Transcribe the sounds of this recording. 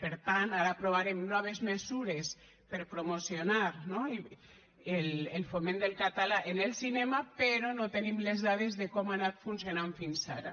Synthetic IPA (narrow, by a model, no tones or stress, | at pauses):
peɾt̪anaɾapɾoβaɾemnɔβ̞ezmezuɾes | peɾpɾomosionaɾnoi | elelfomẽnd̪elˠkat̪alaʔenelˠsinɛmapeɾonot̪enimlezðað̞ezðekɔmanat̪funsjonaɱfinsaɾa